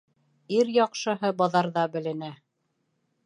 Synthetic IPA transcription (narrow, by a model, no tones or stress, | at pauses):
iɾjɑqʃɤ̆ɦɤbɑðɑɾðɑbɘ̆lɘ̆næ